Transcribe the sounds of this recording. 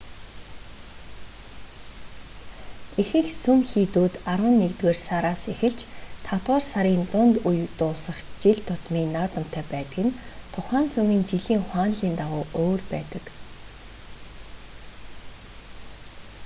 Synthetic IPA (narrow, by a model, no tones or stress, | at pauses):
exɘ̆xsumxiːt̪uːt̪arwə̆nːekt̪weːrsaɾaːsexɘ̆ɮt͡ɕt̪ʰat̪waːrsaɾiːnt̪ʊnt̪ujt̪ʊːsə̆χt͡ɕiɮt̪ʰʊt̪miːnaːt̪ə̆m̥t̪ʰæːpæːt̪ə̆ɣɪ̆nt̪ʰʊχaːnsɵmiːnt͡ɕiɮiːŋχwaːnɮiːnt̪aʁʊːʔoːrpæ̰ːt̪ə̆k